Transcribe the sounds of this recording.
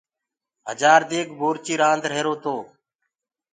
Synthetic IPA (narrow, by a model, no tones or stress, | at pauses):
ɦəd͡ʒaːɾd̪eːkbʱoːɾt͡ʃiːɾãːnd̪ɾeːɾoːt̪oː